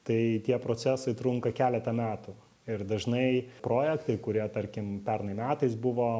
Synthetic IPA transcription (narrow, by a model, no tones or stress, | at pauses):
t̪ɐɪt̪ʲiɛpɾoːt͡s̪ʲæːsɐɪt̪ɾʊŋkɐkʲæːlʲɛt̪ɐmʲæːt̪ʊ | ɪrd̪ɐʒnɐɪpɾoːjɛkt̪ɐɪkʊɾʲiɛt̪ɐɾʲkʲɪmpʲɛɾnɐɪmʲæːt̪ɐɪsbʊʋoː